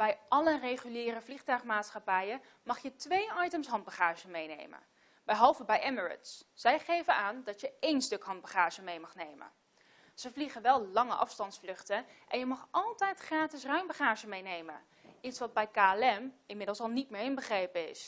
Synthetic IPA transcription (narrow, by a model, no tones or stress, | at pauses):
b̥ɛjʔɑlərejχyliːrəvliχtœɥχmaːtsχɑpɛjə | mɑχjətʋejɑjtəmsɦɑnd̚bəχaːʒəmejnḛjmə̰n | bɛjɦɑlˠvəbɛjʔɛməɹɪ̰tssɛjχejvənaːndɑtjəejnstɵkɦɑnd̚bəχaːʒəmejmɑχnejmə̰n | z̥əvliχənʋɛlˠlɑŋə̰ʔɑ̰fstɑntsflɵχtəʔɛnjəmɑχʔɑlˠtɛjtχraːtɪsrœɥmbəχaːʒəmejnejmə̰n | itsʋɑd̚bɛjkaːlɛmɪnmɪdlˠsɑlˠnitmɪːɹɪnbəχrejpəɪ̰s